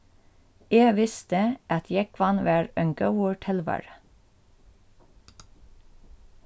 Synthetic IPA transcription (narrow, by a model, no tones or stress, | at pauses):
eːʋɪst̪əʔɑt̪ʰjækʰʋɑnʋæːɹœŋɡɑəʈʰɪlʋæ̰ːɹə